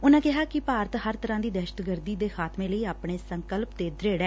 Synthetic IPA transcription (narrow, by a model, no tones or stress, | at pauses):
ʊnãːkɪɦaːkɪpaːɾət̪həɾt̪əɾãːd̪iːd̪ɛːʃə̥t̪ɡəɾd̪iːd̪eːxʰaːt̪mẽːləiːaːpɳeːsəŋkəlpt̪eːd̪ɾeːɽɛː